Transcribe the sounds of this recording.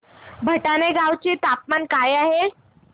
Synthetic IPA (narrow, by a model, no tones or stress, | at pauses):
bʱəʈaneɡawt͡ɕet̪ap̚mankajaɦe